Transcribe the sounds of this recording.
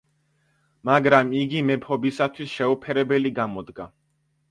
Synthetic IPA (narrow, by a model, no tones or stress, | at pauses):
maɡɾamiɡimɛpʰɔbisat̪ʰwisʃɛupʰɛɾɛbɛliɡamɔd̪ɡa